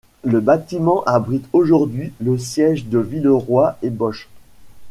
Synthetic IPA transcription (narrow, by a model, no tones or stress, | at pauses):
ləbat̪imɑ̃ʔabʁit̪ʰoʒuʁd̪ɥiləsjɛʒd̪əvilʁwaebɔʃ